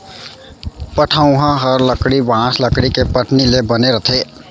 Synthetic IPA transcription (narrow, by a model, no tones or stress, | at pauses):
pəʈʰaũɦə̃ɦəɾləkɽibãːsləkɽikepəʈnilebəneɾət̪ʰe